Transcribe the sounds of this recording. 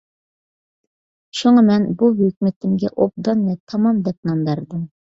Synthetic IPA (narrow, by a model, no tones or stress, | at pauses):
ʃuŋɑmɛnbuɦøkʲmɪt̪ɪmɡʲɛʔob̚d̪ɑnːɛt̪ʰɑmɑmd̪ɛp̚nɑnd̪ɑɾd̪ɨm